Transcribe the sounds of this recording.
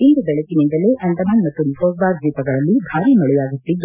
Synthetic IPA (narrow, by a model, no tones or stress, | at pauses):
ind̪ubɛɭɐkinind̪ɐleʔɐɳʈ̪ɐmaːnmɐt̪ːuɾipʰoːsbaːɾd̪iːpɐɡɐɭɐlːibʱaːɾiːmɐɭɛjaːɡut̪ːid̪ːu